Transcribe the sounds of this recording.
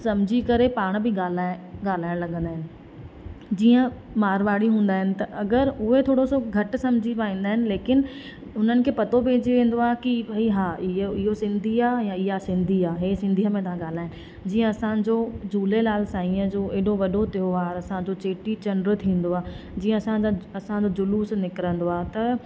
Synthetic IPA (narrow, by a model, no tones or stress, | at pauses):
sɐ̃md͡ʑʱikɐɾepaːɽ̃bʱɪɡaːlaːɡaːl̤aːɪ̃lɐɡə̃nd̪aːɦɪnɪ̆ | d͡ʑiːə̃ | maːɾʋaːɽiɦũːn̆d̪aːɦɪnɪ̆t̪ɐʔɐɡəɾʊɦet̪ʰoːɽosoɡʱɐʈsɐ̃md͡ʑʱipaːĩːn̆d̪aːɦɪnɪ̆leːkɪn | ʊn̤ənɪ̆kʰeːpɐt̪obʱeːd͡ʑeʋẽːn̆d̪oaːɦkibʱɐiɦaːɪɦɪɦosɪ̃nd̪ʱiaːjãɪɦasɪ̃nd̪ʱiaːɦeːsɪ̃nd̪ʱiɦəmẽt̪ɐãɠaːl̤aːɦɪ̃nɪ̆ | d͡ʑiːə̃ɐsãd͡ʑoːd͡ʑuːlelaːlsãːĩəd͡ʑoːʔeːɗoʋɐɗot̪ɪoʋaːɾɐsãd͡ʑot͡ɕeːʈit͡ɕɐɳɖɾət̪ʰĩːn̆d̪oaːd͡ʑĩːə̃ɐsãɐsãd͡ʑoːd͡ʑʊluːsnɪkɪɾə̃nd̪oaːt̪ɐ